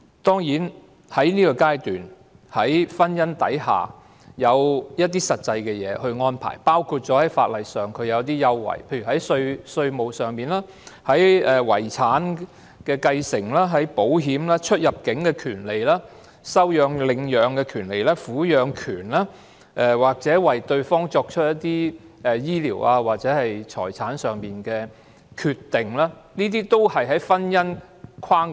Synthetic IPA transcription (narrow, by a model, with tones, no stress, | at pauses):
t̪ɔː˥ŋjiː˨˥n | hɐ˨˥jniː˥kɔ˧kaː˥jt̪yː˨˩n | hɐ˨˥jfɐ˥njɐ˥nt̪ɐ̰˨˥jha̰ː˨ | jɐ˨˧wjɐ˥t̚t̪iː˥sɐ˨t̚t͡sɐ˧jkɛ˧jɛː˨˧hɵ˧ɥŋɔː˥npʰa̰ː˨˩jpaː˥wkʰuː˧t̚t͡sɔː˨˥hɐ˨˥jfa̰ː˧t̚lɐ˨jsœː˨ŋkʰɵ˨˧ɥjɐ˨˧wt̪̬iː˥jɐ˥wːɐ̰˨˩jpʰe˧jɥyː˨˩hɐ˨˥jsɵ˧ɥsɵ˧ɥmo˨˩wsœː˨˩ŋmiː˨nlaː˥ | hɐ˨˥jɛː˨˩wɐ̰˨˩jt͡sʰaː˨˥n | kɛː˧kɐ˧jsɪ˨˩ŋlaː˥ɦɐ˨˥jpo˨˥wɦiː˨˥mlaː˥t͡ʃʰɵ˥t̚jɐ˨p̚kɪ˨˥ŋkɛː˧kʰyː˨˩nle˨jlaː˥ | sɐ˥wjœː˨˧ŋlɪ˨ŋjœː˨˧ŋkɛː˧kʰyː˨˩nle˨˩jlɛː˥fuː˨˥jœː˨˧ŋkʰyː˨˩nlaː˥ | ʔɛ˨˧waː˨˩k̚t͡sɛː˨˥wɐ˨jt̪ɵ˧ɥfɔː˥ŋt͡ʃɔː˧k̚t͡ʃʰɵ˥t̚jɐ˥t̚t̪iː˥ɛ˧jiː˥liː˨˩waː˧waː˨k̚t͡sɛː˨˥hɐ˨jt͡ʃʰɔ̰ː˨˩jt͡sʰaː˨˥nsœː˨ŋmiː˨nkɛː˧ | kʰy˨˧t̪ːɪ˨ŋlaː˥niː˥t̪iː˥t̪o˥whɐ˨jɦɐ˨˥jfɐ˥njɐ˥n | kʰwaː˥ŋ